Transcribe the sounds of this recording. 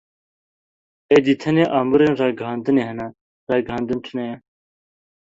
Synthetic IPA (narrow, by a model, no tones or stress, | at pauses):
ed̪it̪ʰɐneʔaːmuɾenraːɡaːnd̪ɨneːɦɐna | ɾaːɡaːnd̪ɨnʈʰɨnɐjɐ